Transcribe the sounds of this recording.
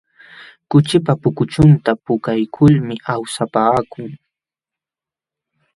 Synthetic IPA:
kʊt͡ʃɪpapʊkʊt͡ʃʊnt̪apʊkajkʰʊlmɪʔawsapaːkʊŋ

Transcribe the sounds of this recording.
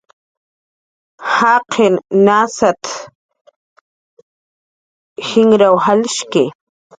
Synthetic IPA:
haqʰennasat̪ | hɪŋɾawhalɪʃkɪ

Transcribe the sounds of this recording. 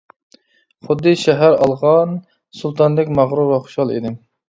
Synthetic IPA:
χʊd̪ːɨʃɛɦæɾɑ̰lˠʁɑn | sulˠt̪ʰɑnd̪ɛkʲmɑʁɾuvɑχʊ̥ʃɑlˠḭd̪ɪ

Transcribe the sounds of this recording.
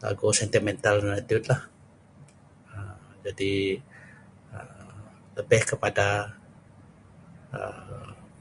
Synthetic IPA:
la̰ɡusɛnt̪imɛnt̪aldanat̪iʊt̪̚lah | əmd͡ʒadi | ə | ləbɛhkəpada | ə̰

